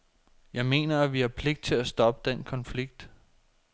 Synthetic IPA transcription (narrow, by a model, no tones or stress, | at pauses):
jɑ̈ɪme̝̰ːnɐæʋihæpʰle̝ɡ̥̚d̥̚t͡sʰe̝læsd̥ɒ̽b̥əd̥enkʰɒ̽nfliɡ̥̚d̥